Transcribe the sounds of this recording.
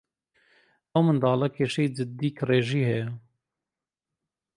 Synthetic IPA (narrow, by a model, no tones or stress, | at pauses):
ɐwmənd̪ɑːlɐkʰeʃiːd͡ʒɨd̪iːkreːʒiːhɛ